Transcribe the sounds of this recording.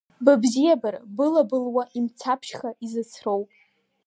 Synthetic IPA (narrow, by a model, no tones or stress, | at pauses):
babzijabarbɨlabɨlwaʔimt͡sʰapʰʃχaʔizɨt͡sʰrowpʼ